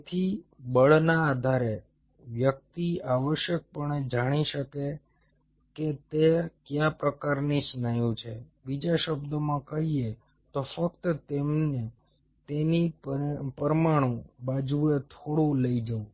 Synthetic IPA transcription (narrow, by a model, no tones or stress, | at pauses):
t̪ʰibəɭnaːd̪ʱaɾe | ʋjək̚t̪iaʋəʃjək̚pəɳed͡ʒaɽ̃iʃəke | ket̪ekjapɾəkaɾnisnajũt͡ʃʰebid͡ʒaʃəbd̪əmãkəɦie | t̪ofəkt̪ət̪emne | t̪enipəɾmaɽ̃ũbad͡ʒuet̪ʰoɽũləid͡ʒəũ